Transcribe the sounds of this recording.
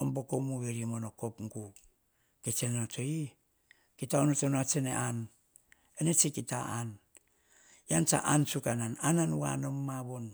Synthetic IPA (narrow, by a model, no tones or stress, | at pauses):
ombokomuβeɾimonokopŋɡu | ket͡ʃenotoi | kitaonotonat͡ʃenḛʔan | enet͡ʃekitaan | jant͡ʃa̰ʔansukananananuwa̰nomːaβon